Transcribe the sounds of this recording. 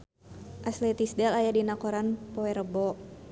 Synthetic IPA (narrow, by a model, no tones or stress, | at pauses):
ʔaslɛt̪isdɛlajadinakɔɾanpɔɛɾəbɔ